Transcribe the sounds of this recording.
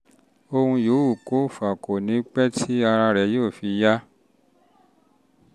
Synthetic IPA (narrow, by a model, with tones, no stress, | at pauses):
o˧hũ˧jo˨˦u˦˨ko˨˦˨fa˨ko˨nĩ˨˦k͡pɛ˦tʰi˦a˧ɾa˧ɾɛ˨˦jo˦˨fi˨˧ja˦